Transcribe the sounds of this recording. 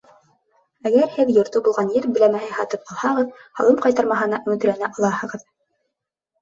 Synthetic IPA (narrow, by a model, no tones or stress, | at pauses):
æɡæɾhɘðjŏɾt̪obulˠʁɑnjɘɾbɘ̆læmæhɘhɑt̪ɤp̚qʰɑlˠhɑʁɤðhɑ̰lˠɤmqɑjt̪ɑɾmɑɦɤ̆nɑʔɵ̆mɵ̆t̪ɘ̆ɾænæʔɑlˠɑhɤ̆ʁɤð